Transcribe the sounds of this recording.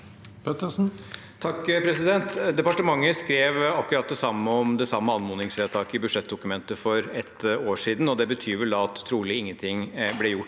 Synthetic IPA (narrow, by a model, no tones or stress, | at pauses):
pʰɛt̪əsn̩ | t̪ʰɑkːpʰɾɛsɪd̪ɛnt̪d̪ɛpɑʈəmɑŋːəskɾeːʋɑkʉɾɑt̪̚d̪ɛsɑmːəɔmd̪ɛsɑmːəɑnmʊːnɪŋseːt̪ʰɑːkɪbʉd̪ʂɛt̪̚ːd̪ʊkʉmɛnt̪əfɔɾɛt̪oːʂiːd̪n̩ɔd̪ɛbət̪ʰyːɾʋɛld̪ɑɑt̪ʰːɾuːlɪɪŋːənt̪ʰɪŋblɛjʊʈː